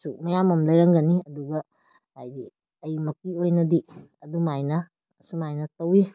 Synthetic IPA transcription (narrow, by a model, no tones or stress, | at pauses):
sumɐjamɐmlɐjɾɐŋɡɐniɐduɡɐ | hajdi | ɐjmɐkiojnɐdi | ɐdumajnɐː | sumajnɐtɐwi